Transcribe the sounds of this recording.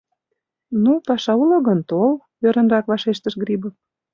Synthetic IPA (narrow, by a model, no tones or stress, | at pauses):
nupɑʃɑuloɣənt̪ol | øɾə̆nrɑkβɑʃeʃt̪əʃɡɾibə